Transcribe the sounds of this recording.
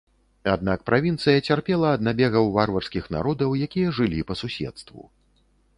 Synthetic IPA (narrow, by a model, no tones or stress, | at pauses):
ad̪̚nak̚pɾʔavʲint̪sɨjɐt͡sʲarpʲɛlˠɐːd̪̚nabʲɛɣɐwvarvɐrskʲixna̰ɾɔd̪ɐwjakʲijɐʐɨlʲipɐsusʲɛ̰t̪st̪vṵ